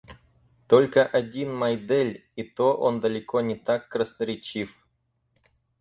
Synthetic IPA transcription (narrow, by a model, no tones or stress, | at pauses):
t̪olʲkəʔɐdʲinmɐjd̪ɛlʲit̪oʔo̰nd̪əlʲɪkonʲɪt̪akːɾəsnəɾʲɪt͡ɕif